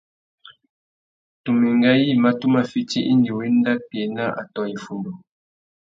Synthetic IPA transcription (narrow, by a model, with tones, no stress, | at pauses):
tu˨mi˨ŋɡa˦ji˦˨ma˦tu˦ma˦fi˦ti˦ʔi˦ndi˨wi˦n˦da˦pje˨na˦ʔa̰˨tɔ˦ji˨fu˨ndo˨